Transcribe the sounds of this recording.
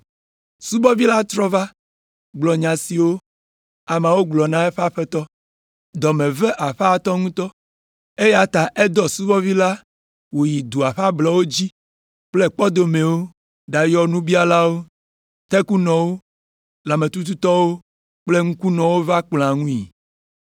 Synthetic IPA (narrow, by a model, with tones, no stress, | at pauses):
su˦bɔ˦vi˦la˦t̪ɾɔ˦va˦ | ɡ͡blɔ˨ɲã˨si˨wo˦ | a˨mã˨wo˦ɡ͡blɔ˨nã˦e˦ɸa˦ɸe˦t̪ɔ˦ | d̪ɔ˨mẽ˨ve˦ʔa˨ɸt̪ɔ˦ŋũ˦t̪ɔ˦ | e˦ja˨t̪a˨ʔe˦d̪ɔ˨su˦bɔ˦vi˦la˦ | wo˨ji˨d̪u˨a˨ɸa˦blɔ˨˦wo˦d͡ʑi˦ | k͡ple˦k͡pɔ˦d̪o˨mẽ˨wo˦ | ɖa˨jɔ˦nũ˦bi˦a˦la˦wo˦ | t̪ɛ˦ku˦nɔ̃˨wo˦ | la˨mẽ˨t̪u˦t̪̬u˦t̪ɔ˦wo˦ | k͡ple˦ŋũ˦ku˦nɔ̃˨wo˦va˦k͡pl̃ã˨ŋũ˦ḭ˨